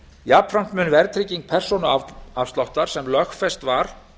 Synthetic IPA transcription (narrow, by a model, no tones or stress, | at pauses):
jaːpfɾam̥t̪mʏnvɛɾt̪ʰɾɪciŋk̚pʰɛr̥sɔnʏaafst̪lawht̪aɾ̥sɛmlœxfɛst̪vaɾ̥